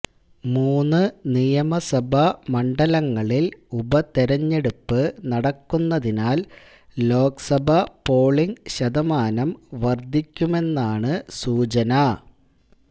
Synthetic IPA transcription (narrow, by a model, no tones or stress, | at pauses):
muːnːɨnijɐmɐsɐbʱɐmɐɳɖɐlɐŋːɐɭilubɐt̪eɾɐɲːe̞ɽupːɨnɐɽɐkːunːɐðinaːl | lo̞ːksɐbʱɐpo̞ːɭiŋɡɕɐðɐmaːnɐmʋɐrd̪ʱːikʲːume̞nːaːɳɨsuːt͡ɕɐnɐ